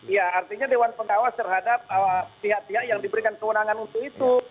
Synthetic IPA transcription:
jaːrt̪iɲadewanpəɡawast̪ərɦadap̚əpiɦaʔ̚piɦakjaŋdibəɾikankəwənaŋanunt̪uit̪u

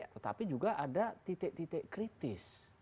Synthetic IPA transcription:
t̪ət̪a̰pid͡ʒuɡaʔadat̪it̪ɪʔ̚t̪it̪ɪʔkɾit̪ɪs

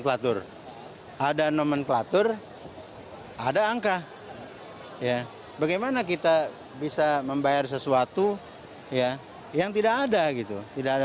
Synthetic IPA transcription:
klat̪ʊr | ʔadanomənklat̪ʊr | adaːŋka | ja | baɡajmanak̬it̪a | bisaməmbajars̬əsuat̪u | ja | jaŋt̪idakadaɡit̪ut̪idaka

